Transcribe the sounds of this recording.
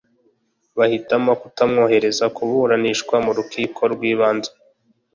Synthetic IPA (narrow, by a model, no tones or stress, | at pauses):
βahitamokutamŋo̞ːhe̞ɾe̞zakuβuɾaniʃkwamuɾukʰiːkʰo̞ɾɡwiːβaːnzḁ